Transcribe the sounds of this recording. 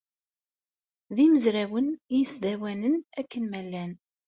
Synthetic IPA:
ðiməzɾæwənjisd̪æwænənækːənmælːæn

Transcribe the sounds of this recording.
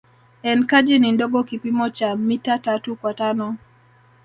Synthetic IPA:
ɛnkad͡ʒinindɔɡɔkipimɔt͡ʃamitatatukwatanɔ

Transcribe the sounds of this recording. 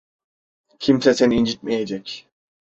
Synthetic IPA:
cʰimsɛseniind͡ʒit̪̚mɛjed͡ʒɛcʲ

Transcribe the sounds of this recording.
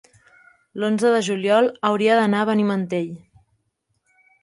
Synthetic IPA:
lonzəðəʒuljɔlˠəwɾiəðənaəβənimənt̪eʎ

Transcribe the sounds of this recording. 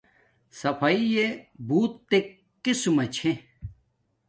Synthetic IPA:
sɐpʰɐijebuːt̪ːek | kːisumɐt͡ɕʰẽ

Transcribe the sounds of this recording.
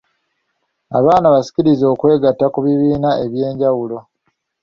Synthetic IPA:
a̰βaːnaβasi̥ciɾizo̞ːkwe̞ːɡatːakuβiβiːnaʔe̞βje̞ːɲɟawulo̞

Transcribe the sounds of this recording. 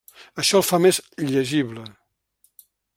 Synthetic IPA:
əʃɔlˠfamezʎəʒiβlə

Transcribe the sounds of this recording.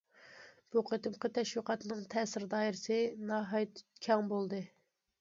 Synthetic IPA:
b̥uqʰət̪ɨmqət̪ʰɛʃwiqʰɑt̪ɨnɨŋt̪ʰɛsɪɾd̪ɑːiɾɪsɨnɑɦɑjt̪ʰt̪kʲʰɑŋbolˠd̪ɨ

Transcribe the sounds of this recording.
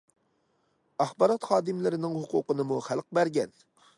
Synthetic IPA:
ɑχbɑɾɑt̪χɑːd̪ɨmlɪɾɪnɪŋhuqʊ̰qənɨmuχælˠq̚bæɾɡʲɛn

